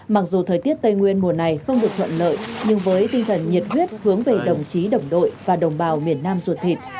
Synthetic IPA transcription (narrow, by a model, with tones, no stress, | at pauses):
ma˨˩k̚zu˨˩t̪ʰəː˨˩jt̪i˦˥t̚t̪ə˧jŋwi˧ənmu˨˩əna˨˩jxə˧wŋ͡mɗɨ˨˩ək̚t̪ʰə̰˧˨nlə̰ː˧˨jɲɨ˧ŋvəː˨˦jt̪ï˧ŋ̟t̪ʰə˨˩nɲi˨˩ət̚hwi˦˥ət̚hɨ˨˦əŋve˨˩ɗə˨˩wŋ͡mt͡ɕi˨˦ɗə˨˩wŋ͡mɗo̰˧˨jvaː˨˩ɗə˨˩wŋ͡mɓaː˨˩wmi˨˩ənːaː˧mzu˨˩t̚t̪ʰi˨˩t̚